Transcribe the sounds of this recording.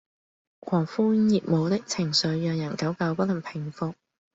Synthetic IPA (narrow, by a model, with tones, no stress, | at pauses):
kʰɔː˨˩ŋfuː˥jiː˧t̚mo˨˧wt̪ɪ˥k̚t͡sʰɪ˨˩ŋsɵ˨˧ɥːœː˨ŋjɐ˨˩nkɐ˨˥wkɐ˧wpɐ˥lɐ˨˩npʰɪ˨˩ŋfʊ˨k̚